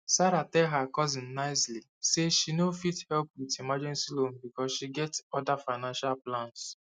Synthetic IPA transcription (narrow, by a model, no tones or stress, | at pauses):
saɾatɛlɦakɔzɪ̃nnaɪsliseʃinofithɛlp̚witimad͡ʒɛ̃nsilombikɔsʃiɡɛtɔdafaɪnãnʃalplãns